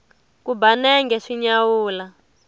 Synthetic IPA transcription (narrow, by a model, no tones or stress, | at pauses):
kubanɛŋɡɛʂiɲawuːla